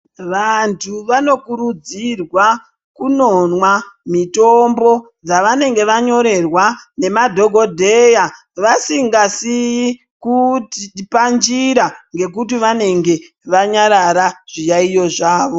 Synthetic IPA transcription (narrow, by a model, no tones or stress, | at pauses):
ʋantʰuʋano̞kuɾud͡zirwa | kuno̞nwamito̞mbo̞ | d͡zaʋane̞ŋɡe̞ʋaɲo̞ɾe̞rwane̞madʱo̞ɡʱo̞dʱe̞ja | ʋasiŋɡasi | kutpand͡ʒiɾaŋɡe̞k̬utiʋane̞ŋɡe̞ | ʋaɲaɾaɾaʐ̥ijaijo̞ʐaːʋo̞